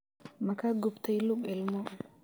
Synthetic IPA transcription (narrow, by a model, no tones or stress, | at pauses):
makaɡʊbt̪ajlukɛlmo